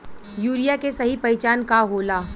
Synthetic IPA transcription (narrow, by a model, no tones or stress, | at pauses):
juːɾijakesɐɦipɐɪt͡ʃaːnkaɦoːlaː